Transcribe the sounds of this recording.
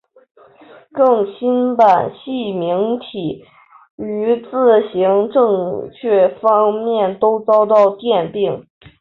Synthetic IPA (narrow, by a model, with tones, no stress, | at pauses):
kɤ˥˩ŋɕi˥npa˨˩nɕi˥˩mi˧˥ŋt̪ʰi˨˩˦ | y˧˥t͡sɹ̩˥˩ɕi˧˥ŋʈ͡ʂɤ˥˧ŋt͡ɕʰɥɛ˥˩fɑ˥ŋmjɛ˥˩nt̪o˥ʊt͡sɑ˥ʊt̪ɑ˥˧ʊt̪jɛ˥˧npi˥˩ŋ